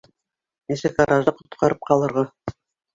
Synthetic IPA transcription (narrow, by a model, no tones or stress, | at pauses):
nisɘkɑɾɑʒɤqŏt̪qʰɑɾɤp̚qɑlˠɤ̆ɾʁɑ